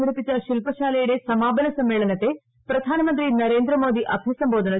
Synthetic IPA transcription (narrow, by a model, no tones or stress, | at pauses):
ɡɐɽupːit͡ɕːɐʃilpɐʃaːlɐjuɽe̞sɐmaːbɐnɐsɐmːeːɭɐnɐt̪ːe̞ | pɾɐd̪ʱaːnɐmɐnt̪ɾinɐɾeːnd̪ɾɐmo̞ːd̪iʔɐbʱisɐmbo̞ːd̪ʱɐnɐ